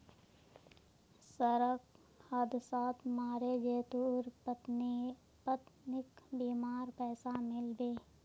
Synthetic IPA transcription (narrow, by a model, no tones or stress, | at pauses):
səɾək | həd̪ʱsaːt̪ʰmaːɾed͡ʒeːt̪uːɾ | pət̪nɪkbiːmaːɾpɛːsamɪlbeː